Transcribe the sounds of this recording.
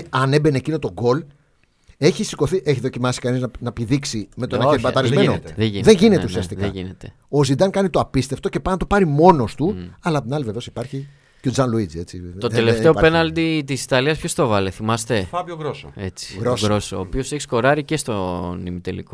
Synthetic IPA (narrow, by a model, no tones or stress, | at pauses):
ɐne̞benecino̞t̪o̞ɡo̞l | e̞çisi̥ko̞θiʔeçiðocimɐsi̥kɐniznɐnɐpiðiksimet̪onɐebɐtt̪ɐɾizmenot̪eʝiðe̞ɲʝine̞t̪e̞usiɐst̪ikɐʝinet̪e | ozid̪ɐŋkɐnit̪oɐpist̪eft̪o̞ce̞pɐnɐt̪opɐɾimo̞no̞st̪uɐlɐp̚t̪inɐliveveosi̥pɐɾçi | ceo̞d͡zɐnluid͡zie̞t͡sḭt̪ot̪eleft̪e̞openɐld̪it̪isi̥t̪ɐliɐspçost̪ovɐleθimɐst̪e̞fɐpjoɣɾoso̰et͡si̥ɣɾosɾosooːpio̞seçi̥sko̞ɾɐɾice̞st̪onimit̪elḭko